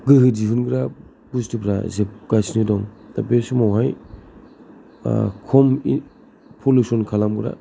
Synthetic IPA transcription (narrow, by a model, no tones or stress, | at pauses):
ɡɯɦɯd͡ʒiɦunɡɾa | bustipʰɾa̰zep̚ɡ̥asnɯdɔŋda̰besimawɦaj | kʰɔmi | pʰolusɔnkʰalamɡɾa̰